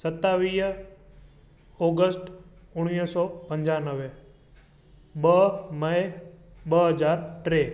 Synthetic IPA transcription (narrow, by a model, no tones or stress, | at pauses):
sət̪ːaʋiː | oːɡəsʈʊɽ̃ijsɔpə̃ɲd͡ʒanəʋe | ɓəmə | ɓəɦəd͡ʒaːɾʈɾeː